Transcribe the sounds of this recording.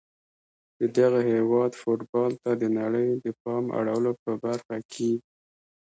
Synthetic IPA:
d̪̥əd̪aɣaɦewɑd̪foʈbɑlt̪ad̪ənaɽəjd̪əpɑmʔa̰ɽawəlopəbaɾxakʰe

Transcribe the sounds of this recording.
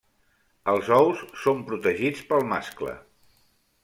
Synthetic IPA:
əlˠzɔwsːompɾut̪əʒit͡spəlˠmasklə̰

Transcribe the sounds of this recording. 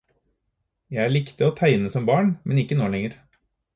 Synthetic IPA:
jæɪæːɭɪkt̪əoːt̪ʰæɪnəsɔmbɑːɳmʔɛnɪkːənoːɭɛŋəɾ

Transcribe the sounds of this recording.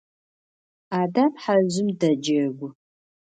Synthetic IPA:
aːdaːpħaʑɪmdɐd͡ʒɐɡʷʊ

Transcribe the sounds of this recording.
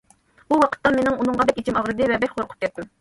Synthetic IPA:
buwɑqʰə̥t̪ːɑnmenɪŋunɨŋʁɑd̪ɛkʲet͡ʃʰimɑʁɾɨd̪ɨvɛbɛkʲqʰoɾqʰʊ̥p̚kʲɛt̪ːu

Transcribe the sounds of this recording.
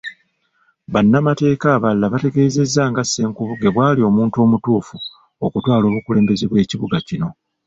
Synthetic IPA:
βanːamate̞ːkaːβalːaβate̞ɡe̞ːze̞zːaːŋɡasːe̞ːŋkuβuɡe̞βwaːlio̞ːmuːntuo̞ːmutuːfu | okutwaːlo̞ːβukule̞ːmbe̞zeβwe̞ːciβuɡacino̞

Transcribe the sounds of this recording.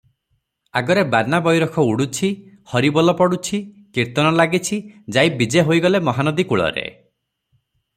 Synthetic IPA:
aɡɔɾebaɾnabɔjɾɔkʰɔuɽut͡ʃʰi | hɔɾibɔlɔpɔɽut͡ʃʰi | kiɾt̪ɔnɔlaɡit͡ʃʰid͡ʒajbid͡ʒeɦojɡɔlemɔɦanɔd̪ikuɭɔ̰ɾḛ

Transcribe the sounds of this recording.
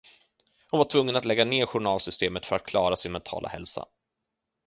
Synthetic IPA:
hɔnvaʈʰvɵŋːənat̪lɛɡːaneːɾɧʊɳɑːlsʏst̪eːmət̪fœɾat̪̚kʰlɑːɾasɪnmɛnt̪ʰɑ̰ːlʔa̰hɛ̰lsa̰

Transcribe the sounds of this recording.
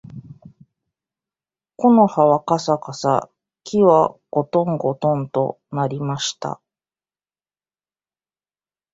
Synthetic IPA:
ko̞no̞haβakasakasa̰ | kʲʰiβaɡ̥o̞t̪õ̞ŋɡo̞t̪õ̞nt̪o̞̰ | naɾʲimaɕi̥t̪a̰

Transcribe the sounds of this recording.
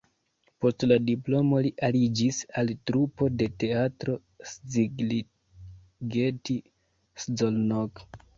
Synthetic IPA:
po̞stladiplo̞mo̞liʔalid͡ʒisaltɾupo̞de̞te̞atɾo̞ | sd͡ziɡl | ɡeti | szolnok

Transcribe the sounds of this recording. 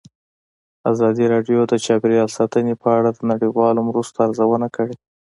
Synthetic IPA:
azɑd̪iɾɑɖjod̪ət͡ʃɑpiɾjɑlsɑt̪ənepəaɽad̪ənaɽijwɑlomɾust̪oaɾzawənakəɽe

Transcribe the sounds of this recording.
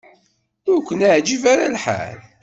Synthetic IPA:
ukʷːənaʕd͡ʒivaɾalħa̰l

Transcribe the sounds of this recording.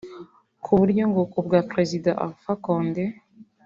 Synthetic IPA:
kʰuβuɾɟoŋɡokubɡapɾezidaʔa̰fakoːnde

